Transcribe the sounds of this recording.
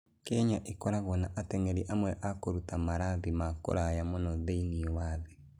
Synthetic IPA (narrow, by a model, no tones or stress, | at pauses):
kɛɲaʔekɔɾaɣɔnaʔatɛŋɛɾiʔamwɛʔakoɾutamaɾaðimako̰ɾajamonɔðeiniɔwaðe